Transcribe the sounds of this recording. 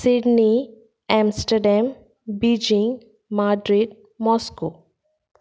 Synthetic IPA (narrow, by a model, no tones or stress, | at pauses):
sɪɖni | ɛ̃ːmsʈəɾɖɛm | biːd͡ʒɪ̃ŋɡ | maːɖɾiɖ | mɔːskoː